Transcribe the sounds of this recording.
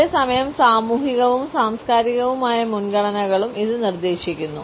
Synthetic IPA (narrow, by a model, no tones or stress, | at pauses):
eːsɐmɐjɐmsaːmuːɦiɣɐʋumsaːmskaːɾiɣɐʋumaːjɐmunɡɐɭɐnɐɣɐɭumʔiðɨnird̪e̞ːɕikʲːunːu